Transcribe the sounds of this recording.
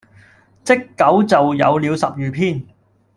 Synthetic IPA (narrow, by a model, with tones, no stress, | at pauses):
t͡sɪ˥kːɐ˨˥wt͡sɐ˨wjɐ̰˨˧wliː˨˧wsɐ˨p̚jyː˨pʰiː˥˩n